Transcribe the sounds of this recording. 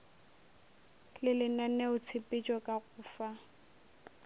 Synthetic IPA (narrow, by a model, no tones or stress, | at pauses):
lɪlɪnɛnɛʊt͡sʰɪpʼɪt͡ʃʼɔkʼaɣʊːfa